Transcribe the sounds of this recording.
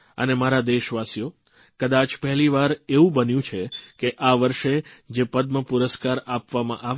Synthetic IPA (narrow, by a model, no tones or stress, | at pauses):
ə̰nemaɾad̪eʃʋasijo | kəd̪at͡ʃpɛɦɛliʋaɾeʋũbənjũt͡ʃʰekeʔaʋəɾʃed͡ʒepəd̪məpuɾəskaɾapʋamã̰ʔaʋ